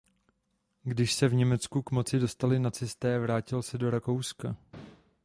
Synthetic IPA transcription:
ɡdɪʃsɛvɲɛmɛt͡skukmo̞t͡sɪdo̞st̪alɪnat͡sɛst̪ɛːavɾaːcɪlsɛdo̞ɾako̞wska

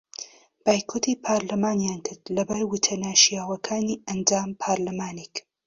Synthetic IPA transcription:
b̥aːjkʰot̪ʰipʰaːɾlɐmaːnjaːnkʰɨɾd̪lɐbaːjwut̪ʰɐnaːʃijaːwɐkʰaːniːʔɐnd͡ʒaːmpʰaɾlamaːnek

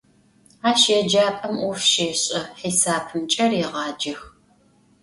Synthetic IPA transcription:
aːʃjɛd͡ʒaːpʼɐmʔɔfʃeːɕʼɐħiːsaːpʰɨnt͡ʃʼɐreʁɑːd͡ʒɐx

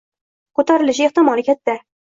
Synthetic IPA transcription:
kʰɵt̪ʰaɾɪlɪʃeht̪ɪmɒlˠɪkʲʰat̪̚d̪a

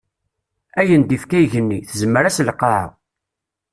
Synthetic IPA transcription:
æjənd̪ifkæjʝənːiθəzəmːəɾæsləqːaʕa̰

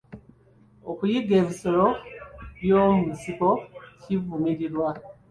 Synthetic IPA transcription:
okujiɡe̞ːβisoloβjoːmuisiko̞civumiɾiɾwa

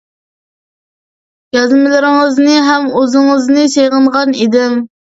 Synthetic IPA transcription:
jɑzmɪlɪɾɪŋəznɨɦɛmøzɨŋəznɨsejʁəɴʁɑnid̪ɪm

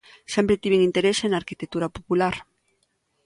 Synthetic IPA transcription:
sɛmpɾet̪iβeŋint̪eɾesenaːɾkit̪ek̚t̪uɾapopulaɾ

